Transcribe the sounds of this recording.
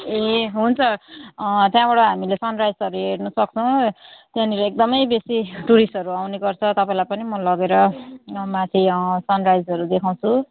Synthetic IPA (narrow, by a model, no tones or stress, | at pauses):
eɦunt͡sʰʌ | t̪jãbaɽʌɦamilesʌnrajsʌɾuɦeɽnʌsʌk̚t͡sʰʌw̃t̪jãniɾʌek̚d̪ʌmʌjbesiʈuɾisʈʌɾuawneɡʌrt͡sʰʌt̪ʌpãĩlajpʌnimʌlʌɡeɾʌmãt̪ʰisʌnrajd͡zʌɾud̪ekʰaw̃t͡sʰu